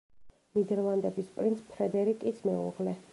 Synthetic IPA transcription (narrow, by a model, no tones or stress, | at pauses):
nid̪ɛɾlˠand̪ɛbispʼɾint̪spʰɾɛd̪ɛɾikʼit̪sʰmɛṵʁlɛ